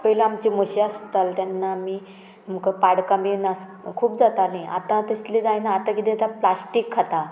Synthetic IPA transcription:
pəilaamt͡ɕiməɕiast̪alt̪janːaːmi | m̤əkəpaɽkambinas | kʰuːp̚d͡zat̪alĩʔa̰t̪ãt̪əɕt̪lid͡zajnaːt̪ãkit̪ĩat̪ãplasʈikʰːat̪a

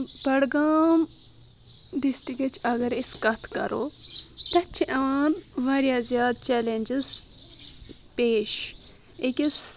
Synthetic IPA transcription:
b̥ɐɽɡaːm | ɖisʈiket͡ʃʰɐɡɐɾiskɐt̪ʰkɐ̰ɾo̰ːt̪ɐt͡ʃʰiʔɐʋaːnʋɐːɾjaːzjaːd̪̚t͡ʃɛːlenʲd͡ʒiz | peːʃ | ekʲis

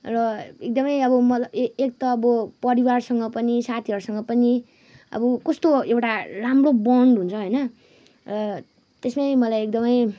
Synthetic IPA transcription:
rʌek̚d̪ʌmʌjʌbʌmʌtlʌbek̚t̪ʌːbʌpʌɾiwarsʌŋɡʌpʌnisat̪ʰiʌɾusʌŋɡʌpʌni | ʌ̰bʌkʌst̪oewʈaramrobʌɳɖɦunt͡sʰʌɦojnʌ | rʌ | t̪esmajmʌlajekd̪ʌmʌj

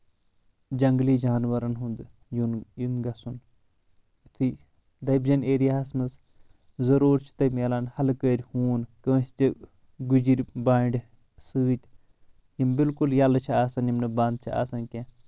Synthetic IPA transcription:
d͡ʒɐŋɡliːd͡ʒaːnʋɐɾɐnɦund̪ | junjunɡɐsun | t̪ʰi | d̪ɐjbd͡ʒɐneːɾijaasmɐs | zɐɾuːɾt͡ʃʰi̥t̪ɐmɐlaːnhɐlkəːɾʲhuːnkɐʋɐst͡ʃi | ɡud͡ʒiɾʲbaːɳɖʲ | sɨːt̪ʲ | jimbilkuljɐlɨt͡ʃʰiaːsɐnjimnɨbãːnd̪̚t͡ʃʰia̰ːsɐnkẽ

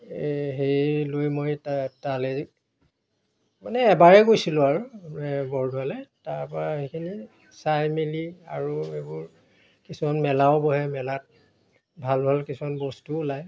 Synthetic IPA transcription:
ɦejlojmojtatalɛ | manɛːbaɹɛɡojsilʊaɹuɛbɔɹdʱwalɛtaɹpɔɹahejkʰini | sajmilia̰ɹuebʊɹ | kisumanmɛlawʊbɔɦɛmɛlat̚ | bʱalbʱalkisumanbɔstulaj

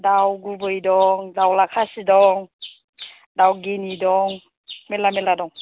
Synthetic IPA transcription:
dawɡubɯjdɔŋdawlakʰasidɔŋ | dawɡinidɔŋ | melameladɔŋ

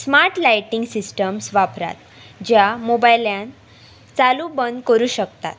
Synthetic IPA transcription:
smaɾʈlajʈiŋɡsisʈəmsʋapɾa̰t̪ | d͡ʑjamobajljãn | t͡salubənd̪kəɾuːɕəkt̪a̰t̪

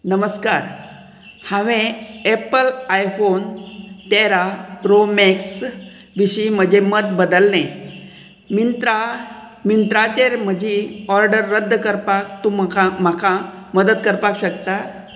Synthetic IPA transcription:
nəməskaɾ | hãʋẽepəlajfont̪eɾapɾomeks | ʋiɕim̤əd͡ʑemət̪̚bəd̪əlnẽ | mint̪ɾa | mint̪ɾat͡ɕeɾm̤əd͡ʑiɔɾɖəɾːəd̪ʱːkəɾpak̚t̪umkamakʰaməd̪ət̪kəɾpakɕəkt̪a

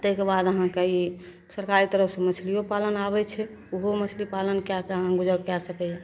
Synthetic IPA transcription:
t̪əɦkebad̪əɦãkei | səɾkaɾit̪əɾəpʰsẽmət͡ʃʰliopalənaβɛt͡ʃʰɛuɦomət͡ʃʰlipalənkakəɦãɡud͡ʒəkjasəkɛɛ

